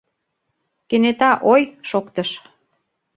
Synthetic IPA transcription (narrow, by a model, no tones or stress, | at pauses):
kenet̪ɑʔojʃokt̪əʃ